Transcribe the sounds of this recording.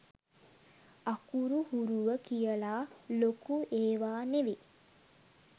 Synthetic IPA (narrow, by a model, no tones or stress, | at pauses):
akuɾuhuɾuʋəkijəlaːlokueːʋaːneʋi